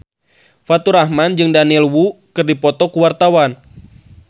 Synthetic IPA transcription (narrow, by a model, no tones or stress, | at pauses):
fat̪uɾahmand͡ʒɨŋdaniɛlwukɨrdipɔt̪ɔkuwart̪awan